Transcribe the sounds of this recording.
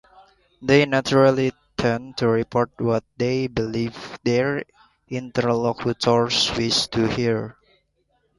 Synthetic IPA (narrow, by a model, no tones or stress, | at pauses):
d̪enat͡ʃuɹali | t̪ʰənt̪ʰuɹipʰɔɹt̚wɔt̪̚d̪ebilivd̪ɛɹ | ʔĩnt̪əɹlɔkʰutʰɔɹswistʰuhiɹ